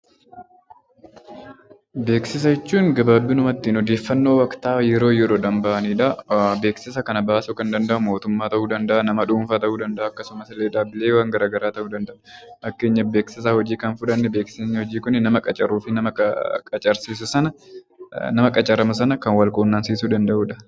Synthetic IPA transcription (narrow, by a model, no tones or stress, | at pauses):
be̞ːksɪs̬ɐd͡ʒɛt͡ʃːuːŋɡɐbaːbːɪnʊmɐt̪ːiːnɔd̪e̞ːfːɐnːo̞ːwɐkt̪aːjɛɾo̞ːjɛɾo̞ːd̪ɐmbɐʔɐniːᶑɐbe̞ːksɪs̬ɐkɐnɐbaːsʊkɐnd̪ɐnd̪ɐʔʊmo̞ːt̪ʊmːaːt̪ɐʔuːd̪ɐnd̪ɐʔɐnɐmɐᶑuːmfaːt̪ɐʔuːd̪ɐnd̪ɐʔɐkːɐsʊmɐsɪleːᶑaːbɪleːwaːŋɡɐɾaːɡɐɾaːt̪ɐʔuːd̪ɐnd̪ɐʔɐʔɐkːe̞ːɲːɐbe̞ːksɪs̬aːhɔd͡ʒiːkɐnfʊᶑɐnːɛbe̞ːkseːɲːɐhɔd͡ʒiːkʊnːɪnɐmɐkʼɐt͡ʃʼɐɾuːfɪnɐmɐkʼɐt͡ʃʼɐɾsiːs̬ʊsɐnɐ | nɐmɐkʼɐt͡ʃʼɐɾɐmɐs̬ɐnɐkɐnwɐlkʼoːnːaːnsiːsuːd̪ɐnd̪ɐʔuːᶑɐ